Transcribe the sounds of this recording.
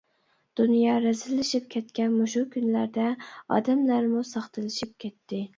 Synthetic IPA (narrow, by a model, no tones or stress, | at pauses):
d̪̥unjɑɾɛzɪlːɪʃip̚kʲʰɛt̪kʲɛnmoʃukʲʰynlæɾd̪ɛɑ̰d̪ɛmlæɾmusɑχt̪ʰɨlɪʃip̚kʲʰɛt̪ʰːɪ